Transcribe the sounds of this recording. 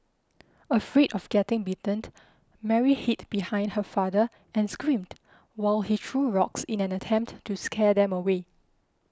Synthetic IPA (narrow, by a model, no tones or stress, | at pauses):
əfɹedɔfɡɛtɪ̃ŋbitə̃nd | mɛɹihit̚b̥ihãj̃ndhəfadə | ɛ̃nskɹĩmd | waɪlhidɹuɹɔksɪ̃nɛ̃nətʰɛ̃mp̚ttːuskʰɛdɛ̃məwe